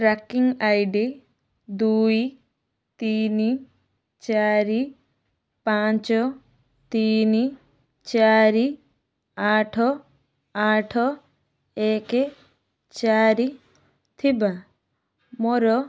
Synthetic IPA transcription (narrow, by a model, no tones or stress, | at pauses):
ɾakiŋajɖi | d̪uj | t̪ini | t͡ʃaɾi | pat͡ʃɔ | t̪iːni | t͡ʃaɾi | aʈʰɔ | aːʈʰɔ | eke | t͡ʃaːɾi | t̪ʰiba | mɔɾɔ